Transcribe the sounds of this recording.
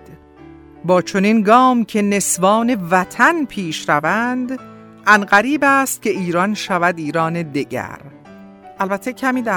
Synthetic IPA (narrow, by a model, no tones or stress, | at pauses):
bɒːt͡ʃʰo̞ninɡɒːmcʰe̞ne̞svɒːne̞væt̪ʰænpʰiːʃɾævænd̪ | ʔænɢæɾiːbæːst̪̚cʰʲe̞ʔiːɾɒnʃævæd̪iːɾɒːned̪eɟæ̰ɾ | ʔælbæt̪ʰːecʰæmiːd̪æ